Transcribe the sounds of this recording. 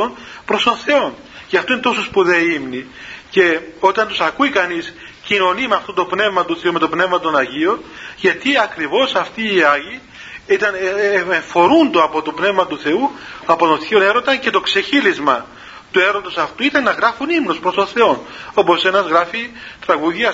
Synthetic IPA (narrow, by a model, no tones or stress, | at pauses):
onpɾo̞st̪o̞nθe̞o̞n | cɐft̪oinet̪osospuðeimnice̞o̞t̪ɐnt̪usɐkuikɐnis | cino̞nimɐft̪ot̪o̞pne̞vmɐt̪uθe̞ume̞t̪o̞pne̞vmɐt̪o̞nɐʝio̞nʝɐt̪iɐkɾivo̞sɐft̪iːɐʝi | it̪ɐneɱfo̞ɾund̪oɐpo̞t̪o̞pne̞vmɐt̪uθe̞uɐpo̞t̪õ̞θione̞ɾo̞t̪ɐnce̞t̪o̞kse̞çilizmɐ | t̪ue̞ɾo̞t̪o̞sɐft̪uit̪ɐnːɐɣɾɐfunimnospɾost̪onθe̞o̞no̞po̞se̞nɐzɣɾɐfit̪ɾɐɣuðʝɐ